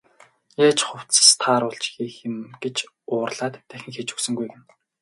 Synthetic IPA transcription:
jaːt͡ɕχʊw̥t͡st͡sst̪ʰaːɾʊɮt͡ɕxiːxɪ̆mɡ̥et͡ɕ | ʊːrɮ̥aːt̪ːæxʲɪ̆ŋxet͡ɕɵ̥ksɵ̆ŋɡujɡĕn

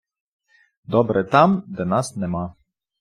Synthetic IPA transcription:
d̪ɔbɾɛt̪amd̪anasnɛma

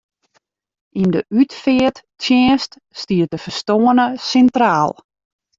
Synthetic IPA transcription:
ʔindəʔytfɪəttjɛːst | stiət̚dəfərstoənəsɛntraːlˠ

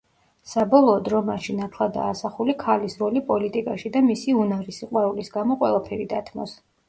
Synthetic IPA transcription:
sabɔlˠɔːd̪ɾɔmaʃinat̪ʰlˠad̪a̰ːsaχulikʰalisɾɔlipʼɔlit̪ʼikʼaʃid̪amisiunaɾisiqʼwɛulisɡamɔqʼwɛlˠapʰɛɾid̪at̪ʰmɔ̰s

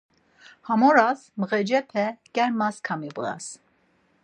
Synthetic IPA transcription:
hamɔɾasməʁɛd͡ʒɛpʰɛkɛɾmaskʰamibəʁa̰s

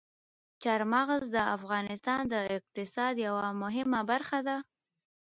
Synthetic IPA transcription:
t͡ʃaɾmaɣzd̪əafɣɑnɪst̪ɑnd̪əɪq̚t̪ɪsɑd̪jawamʊɦɪmabaɾxad̪a

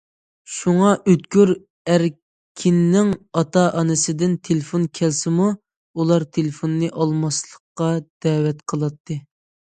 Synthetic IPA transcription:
ʃuŋɑʔøt̪kʲyɾ | æɾ | kʲʰinːɪŋɑt̪ʰɑʔɑnɨsɪd̪ɪnt̪ʰelɪfonkʲʰɛlsɪmu | ulˠɑɾt̪ʰelɪfonːɨʔɑlˠmɑslˠəqːɑd̪̥ɛːwɛt̪qʰəlˠɑt̪ʰːɨ

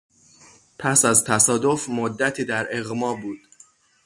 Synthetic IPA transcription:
pʰæsæzt̪ʰæsɒːd̪o̞fmod̪ːæt̪ʰiːd̪æɾe̞ɣmɒːbuːd̪̥

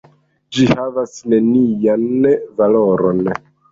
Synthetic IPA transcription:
d͡ʒihavasne̞nijanvalo̞ɾo̞n

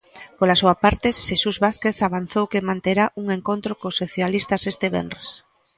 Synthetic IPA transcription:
polasuapaɾt̪esʃesuzβaθkeθaβ̞an̟θowkemãnt̪eɾaʔuŋeŋkont̪ɾokosoθjalist̪asest̪eβɛ̰nres

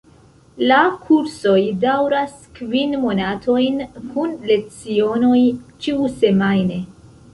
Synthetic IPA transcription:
lakʰuɾso̞jdawɾaskvinmo̞natʰo̞jnkʰunle̞k̚t͡sio̞no̞jt͡ʃiuse̞majne̞

